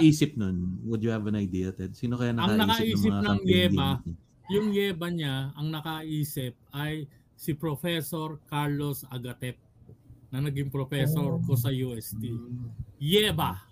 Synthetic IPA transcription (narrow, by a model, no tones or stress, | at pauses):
ʔiːsɪp̚nonwʊd̪jʊhɛvɐnɐjd̪iɐt̪ɛd̪̚siːnokɐjanɐɐɐŋnɐkɐʔiːsɪpnɐŋjɛːba | jʊŋjɛːbɐɲaɐŋnɐkɐaʔiːsɪp̚ʔɐj | sɪpɾofɛso̞ɹkaɹlo̞sɐɡɐt̪ɛp̚nɐŋnɐɡiŋpɾofɛsoɾkosɐjuːʔɛst̪i | jɛːba